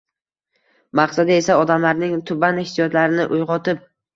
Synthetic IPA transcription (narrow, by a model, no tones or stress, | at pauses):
maqsad̪ae̞saɒd̪amlaɾnɪŋt̪ʰʊbanehsijɒt̪laɾɪnɪʔʊjʁɒt̪ɪp̚